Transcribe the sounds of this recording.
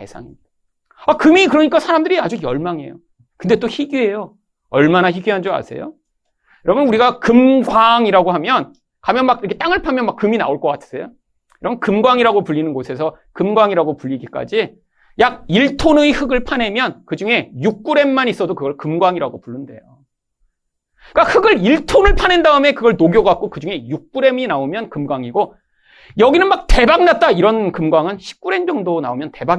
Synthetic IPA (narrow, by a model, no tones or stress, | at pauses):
e̞sʰa̰ŋimɲid̥a | akɯmikɯɾʌɲik͈asʰaɾamdɯɾiad͡ʑujʌɭmaŋe̞̰jo̰ | kɯnde̞t͈oçiɡye̞jo | ʌɭmanaçiɡyɦand͡ʑoa̰sʰe̞̰jo̰ | jʌɾʌbunuɾiɡakɯmɡwaŋiɾaɡoɦamjʌn | kamjʌnmakiɾʌkʰet͈aŋɯɭpʰamjʌnmakːɯmina̰oɭk͈ʌk͈atʰɯ̥sʰejo̰ | jʌɾʌbunkɯmɡwaŋiɾaɡopuʎːinɯnɡosʰe̞s̬ʰʌ | kɯmɡwaŋiɾaɡopuʎːiɡik͈a̰d͡ʑi | jaɡ̚iɭtʰonɯihɯɡɯɭpʰane̞mjʌnkɯd͡ʑuŋe̞juk̚k͈uɾe̞mːanis͈ʌdokɯɡʌɭkɯmɡwaŋiɾaɡopuɭːɯnde̞̰jo | k͈ahɯɡɯɭiɭtʰonɯɭpʰanendaɯme̞kɯɡʌɭnoɡjʌɡak̚k͈okɯd͡ʑuŋe̞juk̚k͈uɾe̞minaomjʌnkɯmɡwaŋiɡo | jʌɡinɯnmak̚te̞baŋnat̚t͈aiɾʌnkɯmɡwaŋɯnɕʰi̥p̚k͈uɾe̞nd͡ʑʌŋdona̰omjʌnte̞ba